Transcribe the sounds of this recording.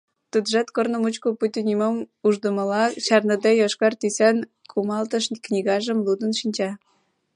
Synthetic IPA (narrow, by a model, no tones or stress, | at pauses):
t̪ud̪ʒɑt̪kornə̆mut͡ɕkoput̪ʲinʲimomuʒd̪ə̆mə̆lɑt͡ɕɑrnəd̪ejoʃkɑrt̪isenkʰumɑlt̪ə̆ʃknʲiɣɑʒə̆mlud̪ə̆nʃinʲt͡ɕɑ